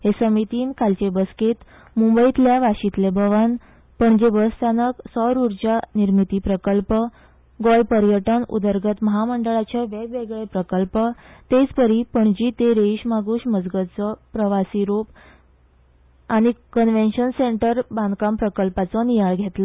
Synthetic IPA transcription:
ɦesəmit̪iːnkalt͡ɕebəsket̪ | mumbəit̪ljaʋaɕit̪lebʱəʋan | pəɳd͡ʑebəst̪anəksɔɾuɾd͡ʑaniɾmit̪iːpɾəkəlpə | ɡɔjpəɾjəʈənṵd̪əɾɡət̪məɦaməɳɖəɭat͡ɕaʋebʋeɡɭepɾəkəlpət̪et͡spəɾipəɳd͡ʑiːt̪eɾeiɕmaɡuɕməd͡zɡət͡sɔpɾəʋasiːɾop | aɽ̃ikənʋenɕənseɳʈəɾbãnd̪kampɾəkəlpat͡sɔnijaɭɡʱet̪lɔ

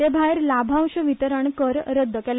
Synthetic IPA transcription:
ebʱaeɾlabʱãwɕəʋit̪əɾəɳkəɾɾəd̪ʱːəkɛl

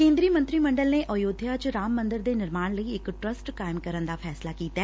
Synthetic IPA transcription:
kẽːnd̪ɾiːmə̃nt̪ɾiːməɳɖəlneːʔɔjoːd̪ʱjaːt͡ʃɾaːmːənd̪əɾd̪eːnɪɾmaːñləiɪkʈɾəsʈkaːɪmkəɾənd̪aːpʰɛːslaːkiːt̪aː

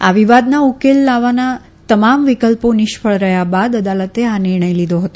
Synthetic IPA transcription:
aʋiʋad̪naukelːaʋana | t̪əmamʋikəlponɪʃpʰəɭɾəɦjabad̪əd̪alət̪eanɪɾɳ̃əjlid̪ʱoɦət̪o

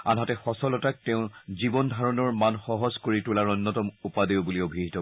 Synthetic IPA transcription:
a̰nɦatɛxɔsɔlɔtak̚tɛʊ̃zibɔndʱaɹɔnɔɹmanxɔɦɔzkoɹitʊlaɹɔnːɔtɔmupadibuliobʱiɦitɔ

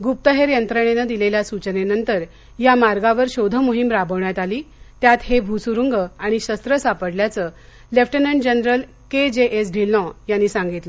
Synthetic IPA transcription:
ɡup̚t̪əɦeɾjənt̪ɾəɳ̃enəd̪ileljasut͡ɕənenənt̪əɾ | jamaɾɡaʋəɾɕod̪ʱəmuɦimɾabəʋɳjat̪aliːt̪jat̪hebʱusuɾuŋɡəaɽ̃iɕəst̪ɾəsapəɽljat͡sə | lefʈənəɳɖd͡ʑənɾəl | ked͡ʑeʔesɖʱilːɔ̃janːiːsãŋɡit̪lə

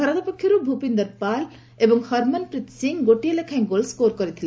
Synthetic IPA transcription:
ʌɾad̪apɔkʰːjɔɾubʱupind̪əɾpal | ebɔŋhʌɾmanpɾit̪siŋɡoʈijelekʰaj̃ɡolskoɾkɔɾit̪ʰile

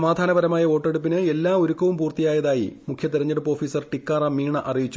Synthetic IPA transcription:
ɐmaːd̪ʱaːnɐʋɐɾɐmaːjɐo̞ːʈːe̞ɽup̬ːinɨe̞lːaːoɾukːɐʋumpuːrt̪ijaːjɐðaːjḭmukʰjɐt̪iɾɐɲːɐɽupːo̞ːfiːsɐrʈikːaːrɐmːiːɳɐʔɐrijit͡ɕːu

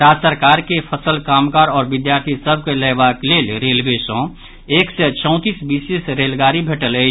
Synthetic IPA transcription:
t̪asəɾkaːɾkepʰəsəlkaːmkaːɾɔːɾbɪd̪jaːɾt̪ʰisəbʱkeləbakleːlɾeːlbesõ | eːksɛt͡ʃɔ̃ʊ̃t̪iːsbisesɾeːlɡaːɾibʱeːʈələ

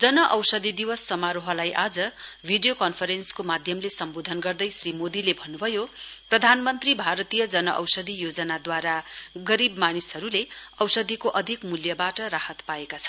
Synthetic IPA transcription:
d͡zʌnʌʔʌwsʌd̪id̪iwʌsːʌmaɾoɦʌlajʔad͡zʌbʱiɖijokʌnpʰʌɾenskomad̪ʱjʌmlesʌmbod̪ʱʌnɡʌrd̪ʌjsrimod̪ilebʱʌnːubʱʌjoprʌd̪ʱanmʌnt̪ribʱaɾʌt̪ijʌd͡zʌnʌʔʌ̰wsʌd̪ʱijod͡zʌnad̪waɾaɡʌɾibmanisʌɾuleʌwsʌd̪ʱikoʔʌd̪ʱikmuljʌbaʈʌɾahʌt̪paekat͡sʰʌ̥n

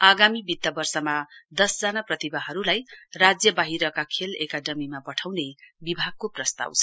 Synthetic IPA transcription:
aɡamibit̪ːʌbʌrsʌmad̪ʌsd͡zanaprʌt̪ibaɦʌɾulajrad͡zjʌbaɦiɾʌkakʰelekaɖʌmimapʌʈʰawnebibʱaɡ̚koprʌst̪a̰wt͡sʰʌ

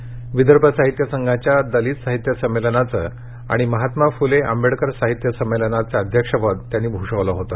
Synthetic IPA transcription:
ʋid̪əɾpəsaɦit̪jəsəŋɡʱat͡ɕjad̪əliːt̪saɦit̪jəsəmːelənat͡sə̰ | a̰ɽ̃iməɦat̪mafuleʔə̰mbeɽkəɾsaɦit̪jəsəmːelənat͡saəd̪ʱjəkʂəpəd̪t̪ːjanːiːbʱuʂəʋlaɦot̪a

